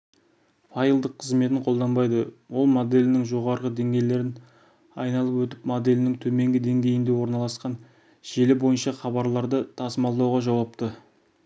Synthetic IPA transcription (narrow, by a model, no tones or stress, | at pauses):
fɑjlˠd̪əqʰːəzme̞t̪̬ɪɴqʰo̞lˠd̪ɑnbɑjd̪əwo̞lˠmod̪e̞lɪnɪŋʒo̞ʁɑɾʁəd̪e̞ŋɡʲe̞jle̞ɾɪn | ɑ̰jnɑlˠəpwɵt̪̬ɪpmod̪e̞lɪnɪŋt̪ʰɵme̞ŋɡʲɪd̪e̞ŋɡʲe̞jɪnd̪e̞wo̞ɾnɑlˠɑsqɑn | ʒ̥e̞lɪbo̞jənʃɑχɑβɑɾlˠɑɾd̪ət̪ʰɑsəmɑlˠd̪ɑwʁɑʒɑwɑpt̪ə